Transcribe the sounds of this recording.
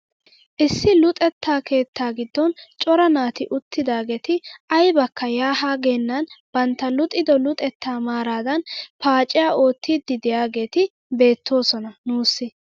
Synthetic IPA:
ʔɪsːɪlʊt̪ʼɛt̪ːaːke̞ːt̪ːaːɡɪd̪ːɔnt͡ʃʼɔɾɐnaːt̪ɪʔʊt̪ːɪd̪aːɡe̞ːt̪ɪʔɐjbɐkːɐjaːɦaːɡeːnːɐnb̥ɐnt̪ːɐlʊt̪ʼːɪd̪ɔlʊt̪ʼɛt̪ʰːaːmaːɾaːd̪ɐnpaːt͡ʃʼɪjaːʔo̞ːt̪ːiːd̪ːɪd̪ɪjaːɡe̞ːt̪ɪ | be̞ːt̪ːo̞ːsɔnɐnuːsːɪ

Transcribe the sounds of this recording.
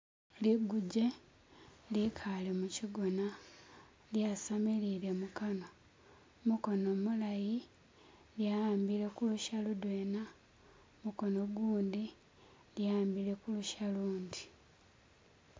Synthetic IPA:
liɡuɟe̞ | likʰale̞muciɡo̞na | ljasamiliɾemukano̞ | muko̞no̞mulaji | ljaaːmbiɾe̞kuluʃaludwe̞ːna | muko̞no̞ɡuːndi | ljaːmbiɾe̞kuluʃaluːndi

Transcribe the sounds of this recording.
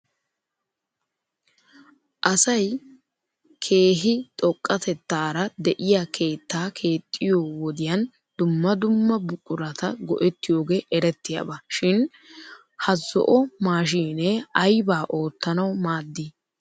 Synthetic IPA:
ʔɐsɐj | kʰe̞ːɦɪt̪ʼɔkʼːɐt̪ɛt̪ːaːɾɐd̪ɛʔɪjakʰe̞ːt̪ːaːkʰe̞ːt̪ʼːɪjoːwɔd̪ɪjɐn | d̪ʊmːɐd̪ʊmːɐbʊkʼːʊɾɐt̪ɐɡɔʔɛt̪ːɪjo̞ːɡe̞ːʔɛɾɛt̪ːɪja̰bɐʃɪn | hɐzɔ̰ʔɔmaːʃ̬iːneːɐjbaːʔo̞ːt̪ːɐnɐwmaːd̪ːɪ

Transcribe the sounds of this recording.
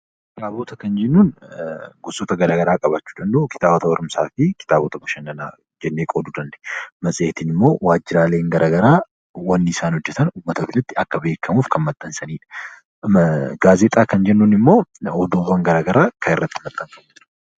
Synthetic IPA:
kɪt̪aːboːt̪ɐkɐnd͡ʒɛnːuːn | ɡʊsʼɔt̪ɐɡɐɾaːɡɐɾaːkʼɐbat͡ʃːuːᶑ̪ɐnd̪ɐːkɪ̥t̪aːbɔt̪ɐwɐɾʊmsaːfɪkɪ̥t̪aːboːt̪ɐbʊʃɐnːɐna̰ː | d͡ʒɛnːeːkʼoːd̪uːd̪ɐnd̪ɐʔmɐsʼɪeːt̪inɪmːo̞ːwaːd͡ʒːɪɾaːleːŋɡɐɾʔaːɡɐɾaː | wɐnːɪɪsaːnhɔd͡ʒːɛt̪ɐnuːmːɐt̪ɐbɪlɐt̪ːɪɐkːɐbe̞ːkʰːɐmuːfkɐnmɐt̪ʼːɐnsɐniːᶑɐ̥ | ɡaːzeːt̪ʼaːkɐnd͡ʒɛnːuːnɪmːo̞ːɔd̪oːwɐŋɡɐɾaːɡɐɾaːkʰɐɪrːɐt̪ːɪmɐt̪ʼːɐŋkʼɐbʊd͡ʒɾɐ̥

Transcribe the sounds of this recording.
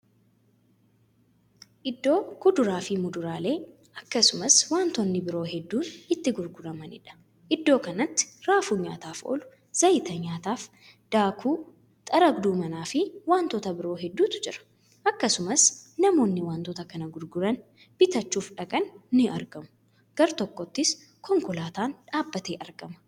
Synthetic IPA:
ʔɪd̪ːo̞ːkʊd̪ʊɾaːfɪmʊd̪ʊɾaːle̞ː | ʔɐkːɐsʊmɐswaːnt̪ɔnːɪbɪɾo̞ːɦɛd̪ːuːnɪt̪ːɪɡʊɾɡʊɾɐmɐnɪ̰ᶑɐ̥ | ʔɪd̪ːo̞ːkɐnɐt̪ːɪ̥ɾaːfuːɲa̰ːt̪aːfo̰ːlʊ | z̥ɐjɪt̪ɐɲaːt̪aːf | d̪̥aːkʰuː | t̪ʼɐɾɐɡd̪uːmɐnaːfɪwaːnt̪ɔt̪ɐbɪɾo̞ːɦɛd̪ːuːt̪ʊ̥d͡ʒɪɾɐ̥ | ʔɐkːɐsʊmɐsnɐmo̞ːnːɪwaːnt̪ɔt̪ɐkɐnɐɡʊɾɡʊɾɐn | b̥ɪt̪ɐt͡ʃːuːfᶑɐkʼɐnːɪɐ̰ɾɡɐmʊ̥ | ɡ̥ɐɾt̪ɔkːɔt̪ːɪs | kɔŋkʊlaːt̪aːnᶑaːbːɐt̪eːʔɐɾɡɐmɐ̥

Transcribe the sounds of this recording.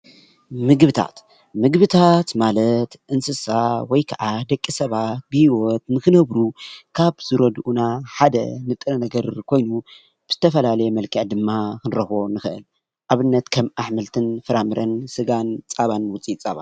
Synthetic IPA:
mɨɡβɨt̪ʰa̰t̪ | mɨɡβɨt̪ʰat̪malɐt̪ʔɨnsɨsawɔjkʰɐʔad̪ɐkʼːisɐβat̪̚bɨhiwot̪nɨkɨnɐβɾukʰaβz̥ɨɾɐd̪ʔunaħad̪ɐ̰nɨt̪ʼɨnɐnɐɡɐɾkʰo̞jnu | bɨz̥ɨt̪ʰɐfɐlalɐjemɐlkʰɐʕd̪ɨmːakʰɨnɾɐxonɨxɨʔɨ̰l | ʔaβɨnːɐt̪kʰɐmʔaħmɨlt̪ʰɨnfɨɾamɨɾɐnsɨɡant͡sʼaβanwʊt͡sʼit͡sʼa̰βa̰n

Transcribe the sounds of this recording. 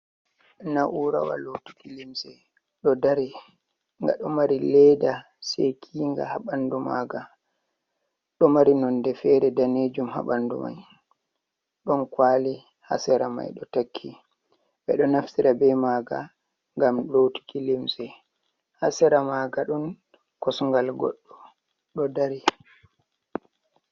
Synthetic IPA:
naʔuɾa̰wa̰lotu̥kilimsɛ | ɗɔdaɾi | ŋɡa̰ɗɔmaɾilɛda | sekʰiːŋɡa̰haɓanduma̰ɡa | ɗɔmaɾinɔndɛfɛɾɛdaned͡ʒumha̰ɓandṵma̰j | ɗɔnkwaːli | ha̰sɛɾama̰jɗɔtakʰːi | ɓɛɗɔnaftiɾabɛmaːɡa̰ | ŋɡamɗowtu̥kilimsɛ | hasɛɾamaːɡaɗun | kɔsŋɡalɡɔ̰ɗːɔ | ɗɔdaɾi

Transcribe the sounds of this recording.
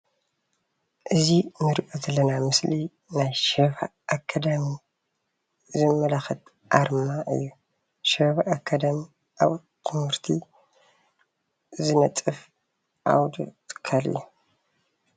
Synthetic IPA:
ʔɨzinɨɾkʼozɐlːɐnamɨsli | najʃefa̰ʔːkʰːad̪ami | zɨmːɐlaxɨt̪ | ʔaɾmaʔɨ̰jːu | ʃefaʔːkʰːad̪ɐmi | ʔa̰β | t̪ʰɨmhɨɾt̪ʰi | zɨnɐt̪ʼɨf | ʔa̰wd̪ṵt̪ʰɨ̥kʰːalɨ̰jːu

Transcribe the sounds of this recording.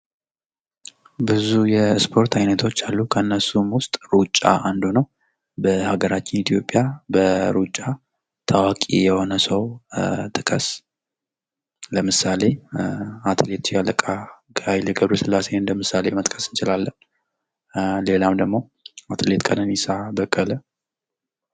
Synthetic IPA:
bɨzujɛspʰo̞ɾt̪ʰajnət̪ʰo̞t͡ʃːalːukʰəɨnːəsumwʊst̪ʼɾut͡ʃʼːa̰ʔand̪unəw | bəhaɡəɾat͡ʃːɪnit̪ʰijo̞pʼːjabəɾut͡ʃʼːa | t̪ʰawakʼḭjɛho̞nəsəwt̪ʼɨkʼəs | ləmɨsale̞ | at̪ʰɨlet̪ʰjaləkʼa | ɡajliɡəβɾusɨlːase̞ɨnd̪əmɨsale̞mət̪ʼkʰʼəsɨnt͡ʃɪlalːən | le̞lamd̪əɡmo̞ | at̪ʰɨlet̪kʼʰənənisabəkʼːələ

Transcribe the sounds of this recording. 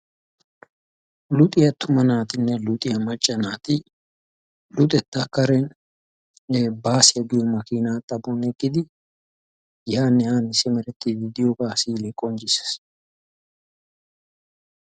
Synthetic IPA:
lʊt̪ʼɪjɐt̪ʰʊmɐnaːt̪ɪnːɛlʊt̪ʼɪjɐmɐt͡ʃʼːɐnaːt̪ɪ | lʊt̪ʼɛt̪ːakɐɾɛn | baːsɪjɐɡɪjɔmɐkiːnat̪ʼːɐbɔnɛɡːɪd̪ɪ | jaːnːɛhaːnːɪsɪmɛɾɛt̪ːid̪ɪd̪ɪjoɡaːsiːlɛkʼɔnd͡ʒɪsɛ̥s

